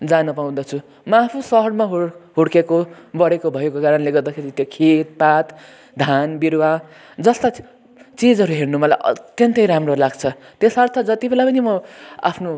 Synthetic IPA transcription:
d͡zanʌpaw̃d̪ʌt͡sʰu | mʌapʰusʌɦʌɽmaɦɦuɽkekobʌɽekobʱʌjekokaɾʌnleɡʌrd̪akʰeɾit̪jokʰet̪̚pat̪ | d̪ʱanbiɾwa | d͡zʌst̪a | t͡sid͡zʌɾuɦernumʌlajʔʌ̰t̪jʌnt̪ʌjɾamrolaɡt͡sʰʌ | t̪esʌrt̪ʰʌd͡zʌt̪ibʱelapʌnimʌa̰pʰno

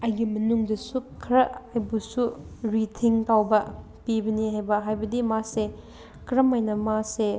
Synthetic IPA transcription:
ɐjɡimɐnuŋdɐsukʰɾɐɐjbusuɾitʰiŋtawbɐ | pibɐnihajbɐɦajbɐdimase | kɾɐmɐjnɐmase

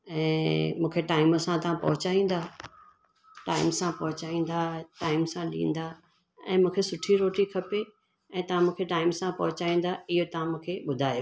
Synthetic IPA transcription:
ɛ̃ːmũːkʰeʈaːɪməsãt̪ɐʋ̤ãpɐ̰ɦʊt͡ɕaːĩːn̆d̪aː | ʈaːɪmsãpɐɦʊt͡ɕaːĩːn̆d̪aːʈaːɪmsãɗḭ̃ːn̆d̪aː | ɛ̰̃ːmũːkʰesʊʈʰiɾoːʈikʰɐpe | ɛ̃ːt̪ɐʋ̤ãmũːkʰeʈaːɪmsãpɐɦʊt͡ɕaːĩːnd̪aɪɦot̪ɐʋ̤ãmũːkʰeɓʊd̪ʱaːj

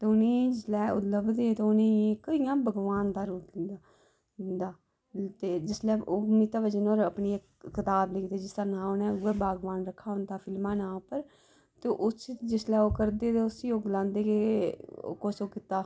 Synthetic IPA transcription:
t̪eːʊniːd͡ʒɪslɛːʊ̰t̪ləbd̪eːt̪eːʊniːkəijãːbəɡʋaːnd̪aːɾuːa | ɪnd̪aː | t̪eːd͡ʒɪslɛːoːniːt̪aːʋəd͡ʒənoːɾəpɳiːekkɪt̪aːbleːkʰd̪eːd͡ʒɪst̪ənãːonẽːɛːbaːɡʋaːnɾəkʰːaːɦʊ̃nd̪aːfʰɪlmãːnãːpəɾ | t̪eːʔʊsd͡ʒɪslɛːoːkəɾd̪eːt̪eːʊsiːoːɡlãːnd̪eːkeo̰ːkoːsoːkiːt̪ːaː

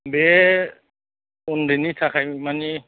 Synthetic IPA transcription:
be | undinitʰakʰajmani

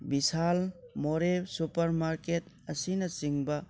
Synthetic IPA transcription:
bisalmoɾebsupɐɾmaɾket | ɐsinɐsiŋbɐ

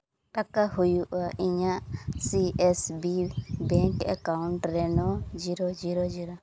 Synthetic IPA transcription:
t̪akahujuʔaiɲaʔsiɛsbibɛŋkɛ̰kauɳʈɾɛnɔd͡ʒiɾɔd͡ʒiɾɔd͡ʒiɾɔ

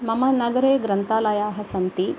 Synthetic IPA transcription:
mɐmɐnɐɡɐɾeːɡɾɐnt̪aːlɐjaːɦɐsɐnt̪i

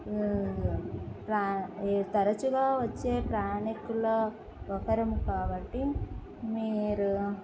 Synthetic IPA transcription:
pɾaːt̪ɐɾɐt͡ʃuɡaːʋɐt͡ʃːe̞ːpɾaːɳikulɐ | ʋɐkɐɾɐmukaːbɐʈːi | miːɾu

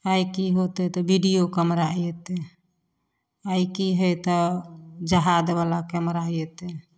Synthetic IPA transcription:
ajkiɦot̪ɛt̪ɔbiɖijokəmɾaijɛt̪e | ajkiɦəjt̪ɔd͡ʒəɦad̪balakəmɾaijet̪e

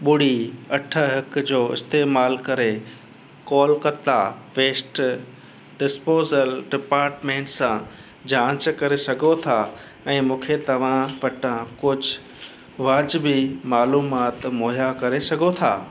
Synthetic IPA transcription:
ɓʊɽ̤iɐʈʰəɦɪkd͡ʑoːɪ̰st̪eːmaːlkɐɾe | kɔːlkɐt̪aʋeːsʈ | ɖɪspoːzəlɖɪpaːɾʈmẽːɳʈsã | d͡ʑãːt͡ɕkɐɾesɐɡʱot̪ʰa | ɛ̃ːmũːkʰet̪ɐʋ̤ãʋɐʈə̃kʊd͡ʑʱʊ | ʋaːd͡ʑbɪmaːluːmaːt̪moːjakɐɾesɐɡʱot̪ʰa̰ː

